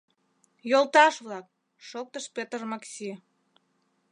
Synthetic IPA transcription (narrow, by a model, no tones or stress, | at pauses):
jolˠt̪ɑʃβlɑk̚ | ʃok̚t̪əʃpʲet̪rmɑksʲi